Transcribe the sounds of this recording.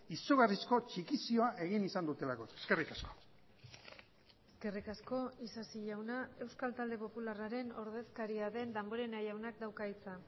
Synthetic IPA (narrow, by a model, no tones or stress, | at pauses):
isuɣarisko̞t͡ʃikisio̞aʔe̞ɣinisand̪ut̪e̞lakoeske̞rikasko̥ | eske̞rikasko̞isasiʎawnae̞wskalt̪ald̪e̞po̞pularaɾe̞no̞ɾð̞e̞skaɾiaðe̞nd̪amboɾe̞najawnak̚d̪awkait͡sa